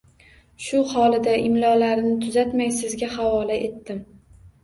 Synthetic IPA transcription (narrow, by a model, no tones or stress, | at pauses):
ʃʊhɒlɪd̪aʔɪmlɒlaɾnɪt̪ʰʊzat̪majsɪzɡʲahawɒlaʔe̞t̪ːɪm